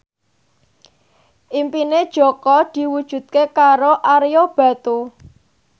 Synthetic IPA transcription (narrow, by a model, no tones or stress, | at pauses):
ʔimpined̥ʒ̥ɔ̤kɔd̪̥i̤wud̥ʒ̥ṳt̪̚kekaɾoʔaɾjob̥ä̤t̪u